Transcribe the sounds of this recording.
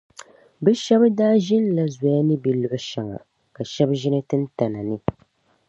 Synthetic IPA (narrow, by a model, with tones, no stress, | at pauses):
bɛ˦ʃɛ˦bdaː˦ʒɪ˦nla˦za˨ja˦nɨ˦bi˨lʊ˨ʔʊ˦ʃa˨ŋa̰˨ | ka˨ʃɛ˦bʒɪ˦nɨ˦tɨ˦n̩˦ta˨na˨nɨ˦